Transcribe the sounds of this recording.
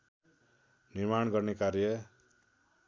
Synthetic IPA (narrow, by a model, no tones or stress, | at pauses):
nirmanɡʌrnekaɾjʌ